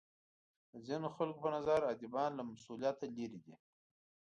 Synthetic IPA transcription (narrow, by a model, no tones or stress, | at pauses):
əzinoxalkopənazaɾad̪ibɑnlamasulijɑt̪aleɾid̪i